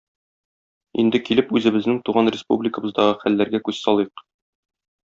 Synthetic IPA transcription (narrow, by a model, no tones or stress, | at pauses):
ḭnd̪ɘkilɘpʉzɘ̆bɘ̆znɘŋt̪uʁɑnrʲɪspṵblʲɪkə̆bɤ̆zd̪ɑʁɤχælːæɾɡækʉzsɒlˠɤq